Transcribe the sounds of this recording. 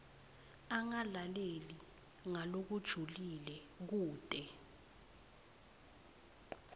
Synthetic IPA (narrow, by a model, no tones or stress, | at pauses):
aŋalaleli | ŋalok̬ud̥ʒ̥ʱulilɛ | k̬uːd̥ʼɛ